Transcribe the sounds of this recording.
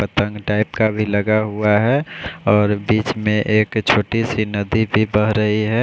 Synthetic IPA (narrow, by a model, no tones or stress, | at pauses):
pət̪ə̃ŋɡʈaːɪpkabʱiləɡaɦuaɦɛɔːɾbiːt͡ʃmẽʔeːkt͡ʃʰoːʈisinɐd̪ibʱibəɦɾəɦiɦɛ